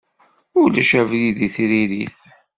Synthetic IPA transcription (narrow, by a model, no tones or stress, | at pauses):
ʊlæʃævliðiθɾiɾiθ